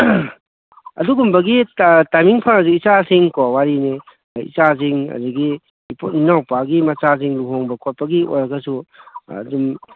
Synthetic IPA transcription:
ɐ̰duɡumbɐɡitajmiŋpʰaŋɐzuit͡ʃasiŋkawaɾine | ḭt͡ʃaziŋɐ̰duɡi | potninawpaɡimɐt͡ʃas̬iŋluɦoŋbɐkʰot̚pɐɡiʔo̰jɾɐɡɐsṵ | dum

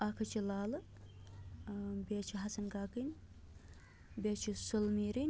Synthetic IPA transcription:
akʰɐt͡ʃʰilaːlɨ | beːt͡ʃʰiɦɐsɐnɡaːkinʲ | bʲet͡ʃʰisulmiːɾinʲ

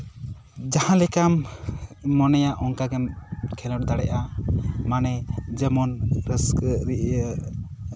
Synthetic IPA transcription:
d͡ʒahãlɛkamː | ɔnɛjaʔɔŋkaɡɛmkʰɛlɔɾd̪aɽɛʔamanɛd͡ʒəmɔnɾəsɾi

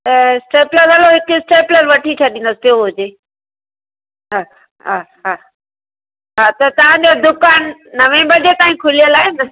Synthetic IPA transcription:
t̪ɐsʈeːpləɾɐloɦɪkʊsʈeːpləɾʋɐʈʰit͡ɕʰɐɗĩn̆d̪əst̪joɦʊd͡ʑeː | ɦaː | ɦaːɦa | ɦaːt̪ɐt̪ɐʋ̤ãɲd͡ʑod̪ʊkaːnːɐʋẽbɐd͡ʑet̪ãːĩkʰʊlijəlaːɦenɐ

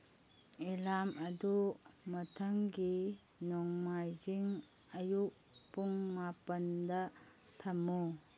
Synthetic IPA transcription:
elamʔɐdumɐtʰɐŋɡi | nɔŋmajziŋ | ɐjuk̚puŋmapɐndɐ | tʰɐmu

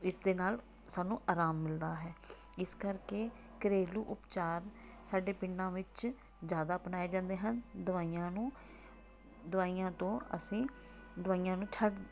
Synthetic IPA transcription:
ɪsd̪eːnaːl | saːnũːʔaːɾaːmːɪld̪aːɦɛː | ɪskəɾkeː | kəɾeːluːʔʊpt͡ʃaːɾ | saːɖeːpɪɳːãːʋɪt͡ʃ | zjaːd̪aːpnaːeːd͡ʒãːnd̪eːɦənd̪ʊʋaːijãːnũː | d̪ʊʋaːijãːt̪õːə̰sĩː | d̪ʊʋaːijãːnũːt͡ʃʰəʈ

